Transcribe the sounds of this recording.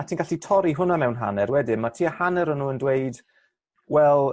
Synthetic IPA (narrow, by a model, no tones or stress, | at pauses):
atʰiːnɡaɬitʰɔɾiɦʊnamɛwnɦa̰nɛɾwɛdɪmatʰiːəhanɛɾənːuːəndwejd | wɛlˠ